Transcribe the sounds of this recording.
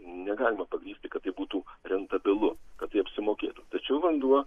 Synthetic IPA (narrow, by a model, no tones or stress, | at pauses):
nʲɛɡɑːlʲɪmɐpɐɡɾʲiːsʲt̪ʲɪkɐt̪t̪ːɐɪbuːt̪uːɾʲɛnt̪ɐbʲɪlˠʊkɐt̪t̪ːɐɪɐpʲsʲɪmoːkʲḛːt̪ut̪ɐt͡ʃʲɛʊʋɐnd̪uɔ